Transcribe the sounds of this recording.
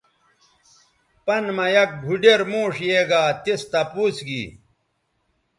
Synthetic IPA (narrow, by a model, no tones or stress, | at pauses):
pɐnmɐjɐk̚bʱuɖeɾmuːʂjeːɡaːt̪ist̪ɐpuːt͡sɡḭ